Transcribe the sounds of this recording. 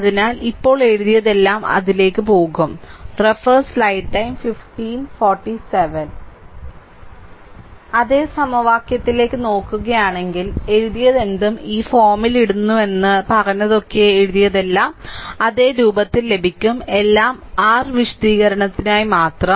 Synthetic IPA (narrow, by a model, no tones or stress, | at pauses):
ɐðinaːlipːo̞ːɭe̞ɻuðijɐðe̞lːaːmɐ̰ðile̞ːkːɨpo̞ːɣumrefɐrslɐjʈʈːɐjmfifʈiːnfoːrʈːiseʋɐn | ɐðeːsɐmɐʋaːkjɐt̪ːile̞ːkːɨno̞ːkːuɣɐjaːɳe̞ŋɡile̞ɻuðijɐðe̞nd̪umiːfo̞ːmiliɽunːue̞nːɨpɐɣɐnːɐðo̞kːe̞ːɻuðijɐðe̞lːaːmɐðe̞ːɾuːbɐt̪ːilːe̞bʱikʲːume̞lːaːmaːrʋiʂɐ̥d̪iːɣɐɾɐɳɐt̪ːinaːjimaːt̪rɐ